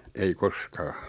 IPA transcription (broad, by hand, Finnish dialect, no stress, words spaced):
ei koskɑː